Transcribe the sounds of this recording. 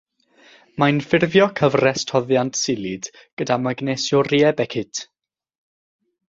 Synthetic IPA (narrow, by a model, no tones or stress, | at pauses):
manfɪrvjɔkʰəvrɛstʰɔðjantʰsɪlˠɪd̥ | ɡ̥ədamaɡnɛsjɔriɛbɛkʰɪtʰ